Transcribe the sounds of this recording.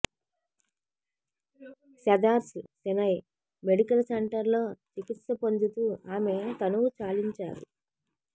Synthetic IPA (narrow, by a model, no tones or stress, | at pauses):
sɐd̪aːɾsusinɐj | meɽikɐlɐseɳʈɐɾlo̞ːt͡ʃikit̪sɐpo̞nd̪ut̪uːaːme̞t̪ɐnuʋut͡ʃaːliɲt͡ʃa̰ːɾṵ